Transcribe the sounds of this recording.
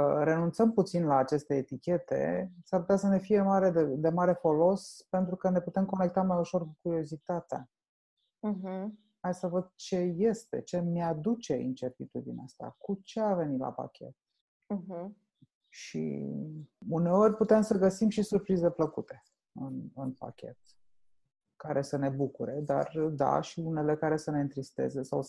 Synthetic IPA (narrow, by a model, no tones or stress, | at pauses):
ɾe̞nunt̪səmput̪sinlaːt͡ʃe̞st̪e̞ːt̪ikʲe̞t̪e̞̰saɾput̪asəne̞fie̞maɾe̞d̪ed̪e̞maɾe̞fo̞lo̞spent̪ɾukəne̞put̪e̞mko̞nek̚t̪amajuʃo̞rkukuɾio̞zit̪at̪ea̰ | ɦ̩ | hajsəvəd̪̚t͡ʃe̞je̞st̪e̞t͡ʃe̞mead̪ut͡ʃe̞ḭnt͡ʃe̞rt̪it̪ud̪ḭneast̪a̰kut͡ʃe̞ave̞nila̰pa̰kʲe̞̰t̪̩̚ː | ɦ̩ | ʃḭ | une̞o̞rʲput̪e̞msəɡəsimʃisurpɾize̞pləkut̪e̞ | ɨnɨnpa̰kʲe̞̰t̪ | kaɾe̞səne̞bukuɾe̞d̪a̰rd̪a̰ʃiune̞le̞kaɾe̞səne̞ɨnt̪ɾist̪e̞̰ze̞saw